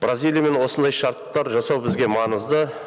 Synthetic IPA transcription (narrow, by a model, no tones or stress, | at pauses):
b̥razʲijlʲijame̞nwo̞sənd̪ɑjʃɑɾt̪ːɑɾʒɑsɑwbɪzɡʲe̞mɑnəzd̪ə